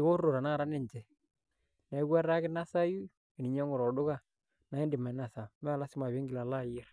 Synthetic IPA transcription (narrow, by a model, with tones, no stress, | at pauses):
ɪ˨ko˦o˨ɾa˨na˦ɾa˦nɪ˦˨ɲt͡ʃɛ˨ | na˨i˦kwa˦ra˦kɪ˦na˦sa˦ju˦ | e˨ni˨ɲa˦ŋʊ˨ɾɔ˨dʊ˦ka˦ | na˨e˦ndɪ˨ma˨˦na˨sa˨mɛ˦a˨la˦sɪ˦ma˨βe˦ŋɡɪ˨la˨la˦˨jɛ˦r